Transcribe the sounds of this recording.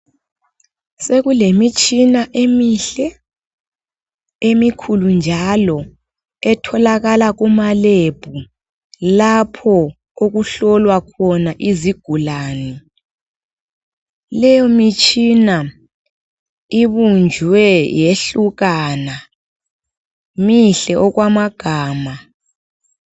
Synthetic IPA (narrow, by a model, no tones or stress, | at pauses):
seɣulemit͡ʃʼinaʔemiɬɛ | emikʰulund͡ʒʱalɔ | ɛtʰɔlaɣalaɣumaleb̥ʱu | lapʰɔ | oɣuɬɔlwakʰɔnaʔiziɡ̥ʱulaːnɛ | lɛjɔmit͡ʃʼina | iβund͡ʒʱwɛjeɬuɣana | miɬɛʔɔɣwamaɡ̥ʱaːma